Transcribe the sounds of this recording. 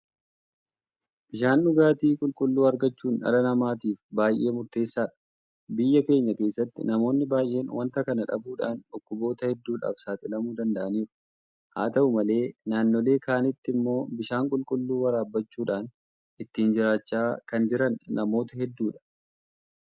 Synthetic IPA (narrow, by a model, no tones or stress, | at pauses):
b̥ɪʃaːnʔʊɡaːt̪iːkʼʊlkʼʊlːuːɐɾɡɐt͡ʃːuːnɐ̰lɐnɐmaːt̪iːfbaːjʔe̞ːmʊɾt̪e̞ːsːaːᶑɐ̥ | bɪjːɐke̞ːɲːɐke̞ːsːɐt̪ːɪ̰nɐmo̞ːnːɪbaːjʔe̞ːnwʔɐnt̪ɐkɐnɐᶑɐ̰buːᶑa̰ːnᶑʊkːʊbo̞ːt̪ɐhɛd̪ːuːᶑa̰ːfsaːt̪ʼɪlɐmuːd̪ɐnd̪ɐʔɐniːɾʊ̥ | ha̰ːt̪ɐʔʊmɐle̞ːnaːnːoːle̞ːkaːnɪt̪ːɪmːo̞ːbɪʃaːŋkʼʊlkʼʊlːuːwɐɾaːbːɐt͡ʃːuːᶑaːn | ʔɪt̪ːiːnd͡ʒɪɾaːt͡ʃːaːkɐnd͡ʒɪɾɐnːɐmo̞ːt̪ɐɦɛd̪ːuːᶑɐ̥